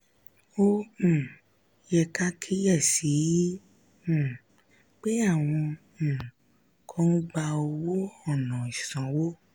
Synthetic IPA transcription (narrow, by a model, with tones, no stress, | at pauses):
õ˦˨ | jɛ˧ka˦kʰi˦jɛ˦˨si˨˦˨ | k͡pe˦a˦˨w̃ɔ̃˧˨ | kʰɔ̃˦ũ˦ɡ͡ba˧o˧wo˦ɔ˦˨nɔ̃˨i˨sã˨˦wo˦